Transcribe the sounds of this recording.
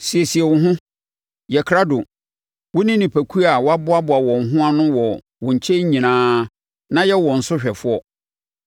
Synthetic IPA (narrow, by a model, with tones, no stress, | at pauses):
si˨ɛ˨si˨ɛ˨wʊ̃˨ɦʊ̃˦ | jɛ˨kʰɾa˦dʊ˨ | wʊ˦nĩ˦nĩ˨pʰæ˨kʰu˦a˨wɔ˦a˦bʊ˦a˦bʊ˨a˨wɔ̃˨ŋ̩˨ɦʊ̃˦a˦nʊ̃˦wɔ˨ | wʊ̃˨ɲ̩˨t͡ɕʰɛ̃˦ɲ̩˦ɲĩ˨nãː˦ | nã˦jɛ˦wɔ̃˨n̩˨sʊ˦ɕᶣɛ˨fʊ˦ɔ˦